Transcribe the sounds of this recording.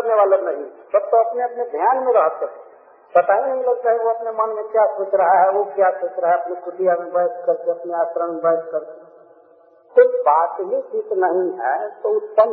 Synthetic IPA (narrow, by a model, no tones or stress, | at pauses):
ɾneʋaːlenɐɦĩsɐb̚t̪oɐpneɐpned̪ʱjaːnmẽɾɐɦət̪ɦɛ | bɐt̪aːɦinɐɦĩlɐɡt̪aːɦɛʋoɐpnemɐnmẽkjasoːt͡ʃɾəɦaɦɛʋokjasoːt͡ʃɾaɦɛɐpnikʊʈijamẽbɐəskəɾk̪eɐpneaːt͡ʃɾəɳmẽbəɦskəɾk̪e | t̪obaːt̪ɦisit̪nɐɦĩɦɛt̪oʊt̪ːəm